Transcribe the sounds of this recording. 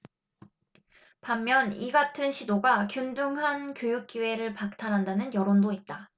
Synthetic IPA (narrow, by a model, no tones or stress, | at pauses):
pamːjʌniɡatʰɯnɕʰidoɡakjundɯŋɦankjojuk̚k͈iwe̞ɾɯɭpak̚tʰaɾɦandanɯnjʌɾondoit̚t͈a